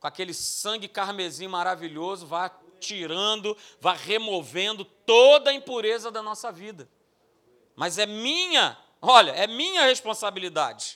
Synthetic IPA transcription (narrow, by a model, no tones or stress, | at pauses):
kõakelɪsɐ̃ŋɡɪkaɾmezĩɲʊmaɾaviʎozʊvat͡ʃiɾɐ̃d̪ʊvajʁemovẽnd̪ʊt̪od̪ɐĩpuɾezɐd̪ɐnɔsɐvid̪ɐ | mɐzɛmĩɲɐ | ɔʎɐɛmĩɲɐheʃpõsabilid̪a̰d͡ʒɪ